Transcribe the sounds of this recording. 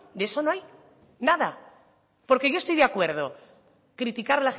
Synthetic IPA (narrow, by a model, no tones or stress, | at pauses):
d̪eesonoaj | naða | po̞ɾke̞ʝo̞est̪ojðeakwe̞ɾð̞o̞ | kɾit̪ikaɾlax